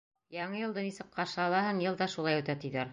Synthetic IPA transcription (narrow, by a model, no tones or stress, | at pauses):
jɑɴɤjɤ̆lˠd̪ɤnisɘk̚qɑʃɑlˠɑɦɤɴjɤ̆lˠd̪ɑʃulˠɑjʉt̪æt̪iðæɾ